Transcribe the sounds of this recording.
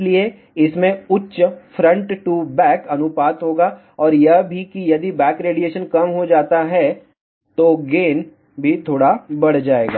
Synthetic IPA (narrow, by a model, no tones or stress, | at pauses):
lie | ɪsmẽʊtːʃfɾɐ̃ɳʈʈubɛːkɐnʊpaːt̪ɦoːɡaː | ɔːɾjɐɦbʱikijɐd̪ibɛːkɾeːɖijeːʃənkɐmɦod͡ʒaːt̪aɦɛ | t̪oɡeːn | bʱit̪ʰoːɽabɐɽd͡ʒaːeːɡa̰ː